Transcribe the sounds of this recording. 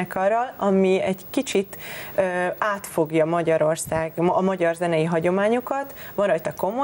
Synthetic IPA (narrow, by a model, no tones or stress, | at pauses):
ɛkɒrɒlɒmiɛɟkit͡ʃit̪øːaːt̪fo̞ɡjɒmɒɟɒɾo̞rsaːɡɒmɒɟɒrzɛnɛjiɦɒɟo̞maːɲokɒt̪ʋɒnrɒjt̪ɒko̞mo